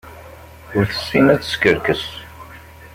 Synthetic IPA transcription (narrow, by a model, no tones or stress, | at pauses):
ʊɾθə̥sːinæt͡sːə̥skəɾkəs